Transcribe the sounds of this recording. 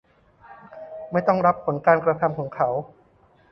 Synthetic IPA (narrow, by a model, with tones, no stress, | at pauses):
ma˥˩jt̪ɔ˥˩ŋɾa˦˥pʰːo˩˦nkaː˧nkɾa˧k̪ʰa˧mkʰɔː˩˦ŋkʰa˦˥w